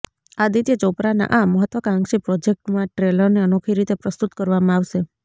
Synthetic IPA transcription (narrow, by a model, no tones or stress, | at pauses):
ad̪it̪et͡ʃopɾana̰ʔaməɦət̪ʋəkãŋɡʃipɾɔd͡ʒek̚ʈmãʈɾeləɾneənokʰiɾit̪epɾəst̪ut̪kəɾʋamãaʋʃe